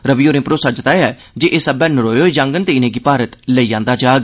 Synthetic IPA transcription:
ɾəʋiːoːɾɪ̃mpɾoːsəd͡ʒt̪aːeɛː | d͡ʒeːʔeːsəbɛːnəɾoːjoːd͡ʒãːŋɡənt̪eɪnẽːɡiːpaːɾət̪ləiːãːnd̪aːd͡ʒaːɡ

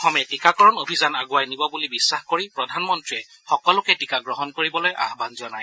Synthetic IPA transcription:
ɔxɔmɛtikakɔɹɔnobʱizanaɡuwajnibɔbulibisːaxkoɹipɹɔdʱanmɔntɹiɛ | xɔkɔlʊkɛtikaɡɹɔɦɔnkoɹibɔloja̰ɦbanzɔnaj

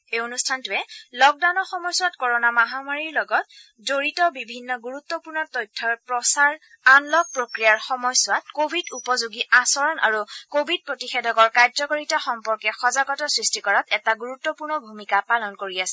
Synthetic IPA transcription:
ejonustʰantʊɛlɔk̚dawnɔxɔmɔjsʊwatkɔɹɔnamaɦamaɹiɹlɔɡɔt̚ | zoɹitɔbibʱinːɔɡuɹut̪ːɔpuɹnɔtɔjtʰːɔɹpɹɔsaɹ | anlɔk̚pɹokɹijaɹxɔmɔjsʊwat̚kobʱidupɔzuɡiʔasɔɹɔna̰ɹukobʱid̚pɹotixɛdʱɔkɔɹkajzɔkoɹitaxɔmpɔɹkɛxɔzaɡɔtɔsɹistikɔɹatɛtaɡuɹut̪ːɔpuɹnɔbʱumikapalɔnkoɹiasɛ

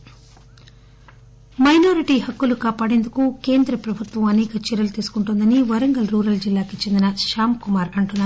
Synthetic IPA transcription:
mɐjnoːɾiʈiɦɐkːulukaːpaːɽe̞ːnd̪ukukeːnd̪ɾɐpɾɐbʱut̪ʋɐmɐnɛːkɐt͡ʃiɾɐlut̪iːsu̥kuɳʈund̪ɐniʋɐɾɐŋɡɐlɾuːɾɐld͡ʒilːaːkit͡ʃe̞nd̪inɐʃaːmkumaːɾɐɳʈunːaːɾ

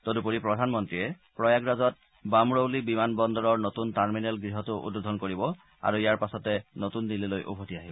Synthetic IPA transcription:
todupoɹipɹɔdʱanmɔntɹiɛ | pɹɔjaɡɹazɔt̚ | bamɹowlibimanbɔndɔɹɔɹnotuntaɹminɛlɡɹiɦɔtʊʔṵdodʱɔnkoɹibɔ | a̰ɹuijaɹpasɔtɛnotundililojʔṵbʱotiaɦibɔ

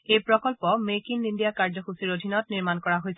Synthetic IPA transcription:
ejpɹɔkɔlpɔmekinindijakaɹzɔxusiɹodʱinɔtniɹmankɔɹaɦojsɛ

